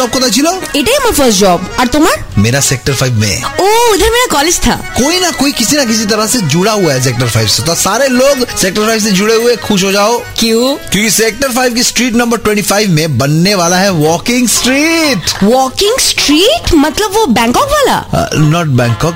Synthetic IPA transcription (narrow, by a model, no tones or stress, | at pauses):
ɔːb̚kot̪at͡ʃʰiloːɪʈeməfəɾsʈd͡ʒɔːbɐɾt̪ʊməɾ | meːɾaseːk̚ʈəɾfaɪbmḛ̃oːɪd̪ʱəɾmeːɾakɔːled͡ʒt̪ʰa̰ːkoːinɐkoːikɪsinɐkɪs̬it̪ɐɾəɦsed͡ʒʊɽaɦuaɦɛs̬eːk̚ʈəɾfʰaːɪbset̪ɔsaːɾeloːɡseːk̚ʈəɾfaɪʋs̬ẽd͡ʒʊɽeɦuexʊʃ̬ɦod͡ʒaːoːkjũːkjõːkiseːk̚ʈəɾfaːɪʋkisʈɾiːʈnɐ̃mbəɾʈwɛ̃ɳʈifaːɪʋmẽbɐnːeʋaːlaɦɛʋɔːkɪ̃ŋɡsʈɾiːʈʋɔːkɪ̃ŋɡsʈɾiːʈmɐt̪ləbʋobɛ̃ːŋkɔːkʋaːla̰nɔːʈ̚bɛ̃ːŋkɔːk̚